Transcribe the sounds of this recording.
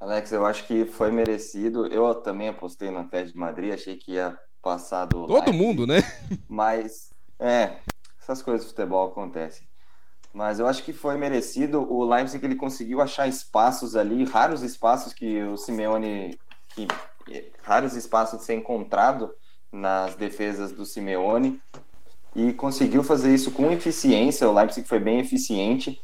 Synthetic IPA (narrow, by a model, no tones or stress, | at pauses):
alɛksewaʃʊ̥kɪfojmeɾesid̪ʊʔewt̪ɐ̃mbẽj̃apost̪ejnɐt̪ɛd͡ʒɪd͡ʒɪmad̪ɾiaʃejkɪiɐ | pasad̪ʊloa̰jd̪ʊmũnd̪ʊnɛmɐs | ɛ | ɛsɐskojzɐzd̪ʊfu̥t̪ebɔwakõnt̪ɛ̰sẽ̥j̃ | mɐzewaʃʊ̥kɪfojmeɾesid̪ʊʔʊlajbsẽkelɪkõsɪɡiwaʃaɾɪspasʊzalihaɾʊzɪspasʊskɪʊsimeõnɪ | kʰɪ | ɛ̰ | haɾʊzɪspasʊsseɾẽŋkõnt̪ɾad̪ʊ | nɐzd̪efezɐzd̪ʊsimeõnɪ | ɪkõsɪɡiwfazeɾisʊkõefisiẽsjɐʊlajpsikfojbẽj̃efisiẽnt͡ʃɪ